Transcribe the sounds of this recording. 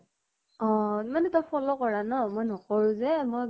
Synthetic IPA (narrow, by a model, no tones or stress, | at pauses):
ɔ̃manɛtɔpʰɔlɔkɔɹanɔmojnɔkɔɹʊzɛmoj